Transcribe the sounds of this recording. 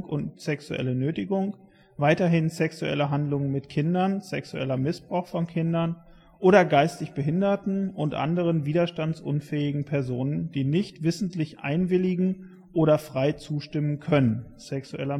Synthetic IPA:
kʔʊntz̥ɛksṵʔɛ̰lənøːtɪɡʊŋ | vaɪtɐɦɪnzɛksuʔɛ̰ləɦandlʊŋənmɪtkʰɪndɐnz̥ɛksuʔɛ̰lɐmɪsb̥ʁaʊxfɔnkʰɪndɐn | ʔoːɾɐɡaɪstɪçb̥əɦɪndɐtn̩ʊntʔa̰ndəʁ̞ənviːdɐʃtant͡sʔʊ̰nfɛːɪɡŋ̩pʰɛɐzoːnəndiːnɪçtv̥ɪsn̩tlɪçʔa̰ɪnvɪlɪɡŋ̩ | ʔoːɾɐfʁ̥aɪt͡suːʃtɪmənkʰœnənsɛksuʔɛ̰lɐ

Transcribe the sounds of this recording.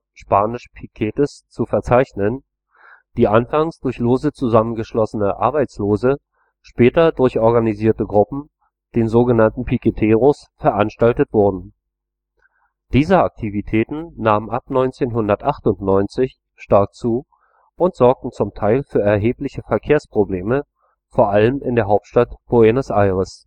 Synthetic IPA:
ʃpaːnɪʃpʰikʰɛːtəst͡sufɛɐt͡saɪçnən | d̥iːʔanfaŋsd̥ʊɐçloːzət͡suzamənɡəʃlɔsənəʔa̰ɐbaɪt͡sloːzə | ʃpɛːtɐdʊɐçʔɔɐɡaniziːɐtəɡʁʊpm̩ | d̥eːnzoːɡənantn̩pʰiketʰeːʁʊs | fɛɐʔanʃtaltətv̥ʊɐdn̩ | d̥iːzəak̚tʰivitʰɛːtn̩naːmənʔapnɔʏnt͡seːnɦʊndɐtʔaχtʊntnɔʏnt͡sɪç | ʃtaɐk̚t͡suː | ʔʊntz̥ɔɐk̚tn̩t͡sʊmtʰaɪlfyːɐɛɐɦeːplɪçəfɛɐkʰeːɐspʁ̥obleːmə | foːɐʔaləmɪ̰ndeːɐɦaʊp̚tʃtatb̥oenəsʔaɪʁəs

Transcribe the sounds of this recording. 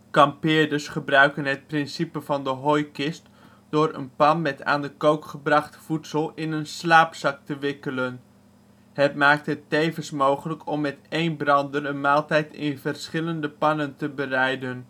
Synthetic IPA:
kɑmpɪːɹdəsχəbrœɥkənɦət̚prɪnsipəvɑndəɦojkɪst | d̥ʊːɾə̰npɑnmɛta̰ːndəkowkχəbrɑχtfutsəlˠɪnənslaːpsɑk̚təʋɪkələn | ɦətmaːk̚təɦətːejvənsmowχələkʰɔmːɛtejnbrɑndərənmaːlˠtɛjtɪ̰nvərsχɪləndəpɑnəntəbərɛjdən

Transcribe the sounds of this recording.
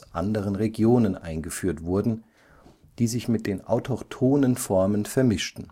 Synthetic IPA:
ʔa̰ndəʁ̞ənʁeɡjoːnənʔa̰ɪnɡəfyːɐtv̥ʊɐdn̩ | d̥iːzɪçmɪt̚d̥eːnʔa̰ʊtʰɔktʰoːnənfɔɐmənfɛɐmɪʃtn̩

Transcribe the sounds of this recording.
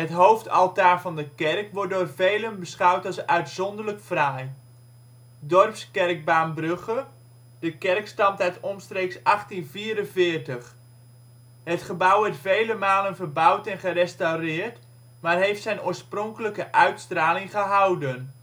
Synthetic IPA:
ɦətɦowftɑ̰lˠtaːrvɑndəkɛrkʋɔt̚dʊːrvejlənbəsχawtɑlˠsœɥtsɔndərləkfraj | dɔrpskɛrk̚baːmbrøχə | d̥əkɛrkstɑmtœɥtɔmstreːksɑχtinviːɾənvɪərtəχ | hətχəbʌwɛtfejləmaːlənvərbawtɛnχərɛstawrɪːrt | maːrɦejftsɛjnoːrsprɔŋkələkəʔœɥtstraːlɪŋχəɦawdən

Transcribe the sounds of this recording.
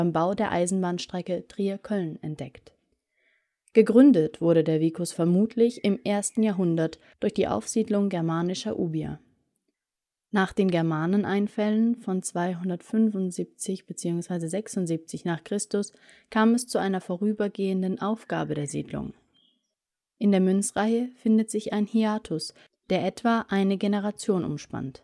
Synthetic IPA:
aɪmbaʊdeːɐʔa̰ɪzn̩baːnʃtʁ̥ɛkətʁ̥iakʰɔlnɛ̰nt̚d̥ɛkt | ɡ̥əɡʁʏndətv̥ʊɐɾədeːɐviːkʊsfɛɐmuːtʰlɪçɪmʔeːɐstn̩jaːɐɦʊndɐt | d̥ʊɐçd̥iːʔa̰ʊfz̥iːdlʊŋɡɛɐmaːnɪʃɐʔuːbia̰ | naːχd̥eːnɡɛɐmaːnənʔaɪnfɛlənfɔnt͡sv̥aɪɦʊndɐtfʏnvʊntz̥iːp̚t͡sɪçb̥ət͡siːʊŋsv̥aɪzəzɛksʊntziːp̚t͡sɪçnaːχkʁ̥ɪstʊs | kʰaːmɛst͡suʔaɪnɐfoːʁyːbɐɡeːəndən̩ʔaʊfɡ̥a̰ːbədeːɐzḭːdlʊ̰ŋ | ʔɪndeːɐmʏnt͡sʁ̥aɪəfɪndətz̥ɪçʔaɪnhiaːtʰʊs | d̥eːɐʔɛtv̥aːʔaɪnəɡenəʁ̞at͡sjoːnʔʊ̰mʃpa̰nt

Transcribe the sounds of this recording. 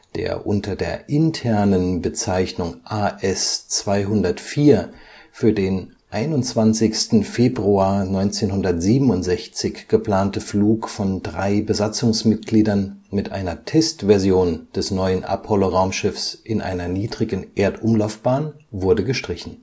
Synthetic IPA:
d̥ḛːɐʔʊ̰ntʰɐdeːɐʔɪntʰɛɐnənbət͡saɪçnʊŋʔaːʔɛst͡sv̥aɪɦʊndɐtfiːɐfyːɐdeːn | ʔaɪnʊnt͡sv̥ant͡sɪçstn̩feːbʁuaːɐnɔʏnt͡seːnhʊndɐtz̥iːbm̩ʊntz̥ɛçt͡sɪçɡ̥əpl̥aːntəfluːkfɔndʁaɪbəzat͡sʊŋsmɪt̚ɡ̥liːdɐnmɪtʔa̰ɪnɐtʰɛstv̥ɛɐzjoːnd̥ɛsnɔʏənʔa̰pʰɔloʁaʊmʃɪfsʔɪnʔa̰ɪnɐniːdʁɪɡn̩ʔeːɐtʔʊmlaʊfb̥aːnvʊɐdəɡəʃtʁ̥ɪçn̩

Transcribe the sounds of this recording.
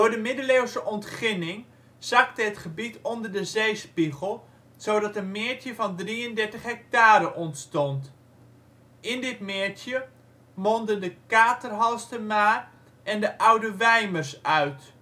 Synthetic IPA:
d̥ʊːɹdəmɪdəleːwsəʔɔntχɪnɪŋ | z̥ɑktəətχəbitɔndərdəzejspiɣəlˠ | soːdɑtənmɪəɹtjəvɑndriəndɛɹtəχɦɛk̚taːɾəʔɔntstɔnt | ʔɪndɪtmɪːɹtjə | mondəndəkaːtərɦɑlˠstəmaː | ʔɛndəʔʌwdəʋɛjmərsœɥt

